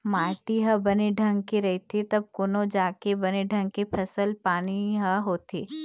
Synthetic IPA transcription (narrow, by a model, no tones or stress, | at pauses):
maːʈ̪iɦɐbɐneɖʱɐ̃ŋɡ̚keɾɐɦit̪ʰit̪ɐb̚koːnõd͡ʒaːkebɐneɖʱɐ̃ŋɡ̚kepʰɐsəlpaːniɦɐɦoːt̪ʰeː